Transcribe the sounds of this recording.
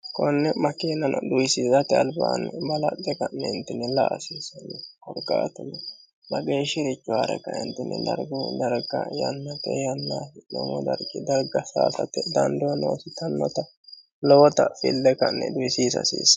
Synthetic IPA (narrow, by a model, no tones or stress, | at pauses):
kɔnːɛmɐkeːnɐnʔɔd̪ʊjsiːzɐt̪ɪɐlbaːnbɐlɐd̪ːɛkɐnːɛɪnt̪ːɪnːɛlaʔsiːsɐnːɛkɔɾɡaːt̪ʊnːɛ | bɐɡeːʃɪɾɪt͡ʃːʊa̰ːɾɛ̰kːɐɪ̰nt̪ːɪnːɛ̰d̪ɐɾɡʊd̪ɐɾɡɐ̰jɐ̰nːɐt̪ɛ̰jɐnːaːɪnɔ̰mɔ̰d̪ɐɾɡɪd̪ɐɾɡɐsa̰ːsɐt̪ːɛd̪ɐnd̪ɔno̰ːsɪt̪ɐnːɔt̪ɐ | lɔwɔt̪ɐfɪ̰lːɛkɐnːɛ̰d̪ʊjsiːsɐ̰sḭːs